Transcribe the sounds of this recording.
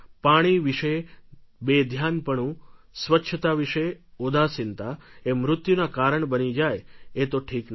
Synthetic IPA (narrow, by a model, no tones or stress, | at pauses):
paɽ̃iʋiʃebed̪ʱjanpəɳũ | sʋətːʃʰət̪aʋiʃeod̪ʱasɪnt̪aemɾʊt̪junakaɾəɳbənid͡ʒajet̪oʈʰikn